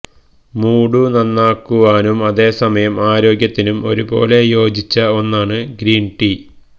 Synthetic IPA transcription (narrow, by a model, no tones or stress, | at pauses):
muːɽunɐnːaːkːuʋaːnumɐðe̞ːsɐmɐjɐmaːɾo̞ːɡjɐt̪ːinumo̞̰ɾubo̞ːle̞jo̞ːd͡ʑit͡ɕːɐo̞nːaːɳɨɡɾiːnʈi